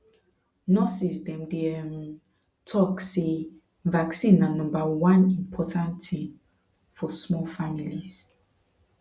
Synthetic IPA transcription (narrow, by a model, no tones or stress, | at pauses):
nɔsisdɛ̃mdeɛm | tʰɔkse | vaksĩnːãnɔ̃mbawãnĩmpʰɔtʰãntʰĩm | fɔsmɔlfamilis